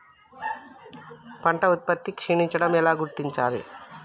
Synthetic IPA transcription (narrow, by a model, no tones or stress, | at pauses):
pɐɳʈɐut̪̚pɐt̪ːikʂiɳiɲt͡ʃɐɽɐmɛlaːɡuɾt̪iɲt͡ʃaːlḭ